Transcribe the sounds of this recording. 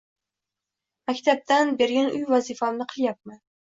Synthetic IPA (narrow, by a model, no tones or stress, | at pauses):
mækʲt̪ʰap̚t̪ʰanbeɾɡʲanʔʊjvɒzifɑmnɨqʰɨlˠjap̚mɪ